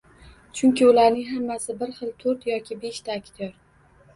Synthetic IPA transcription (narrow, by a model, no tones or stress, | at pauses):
t͡ʃʰʊŋkʲɪʊlaɾnɪŋɦamːasɪbɪɾχɨlt̪ʰɵɾt̪jɒkʲʰɪbe̞ʃt̪ʰaːkʰʲt̪ʰjɒɾ